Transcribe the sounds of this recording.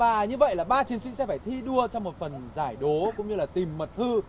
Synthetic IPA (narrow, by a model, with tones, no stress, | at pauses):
vaː˨˩ɲɨ˧və̰˧˨jlaː˨˩ɓaː˧t͡ɕi˨˦ənsḭ˧˥sɛ̰˧˥faː˧˩jt̪ʰi˧ɗu˧ət͡ɕɔ˧wŋ͡mmo˨˩t̚fə˨˩nzaː˧˩jɗo˨˦kʊ̰˧˥ŋ͡mɲɨ˧laː˨˩t̪i˨˩mːə˨˩t̚t̪ʰɨ˧